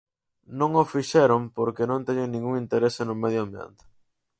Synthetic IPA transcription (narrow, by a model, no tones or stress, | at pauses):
nõŋofiʃɛɾompoɾkenõnt̪ɛɲeŋnĩŋɡuŋint̪eɾesenʊmeðjoambjḛnt̪ɪ̥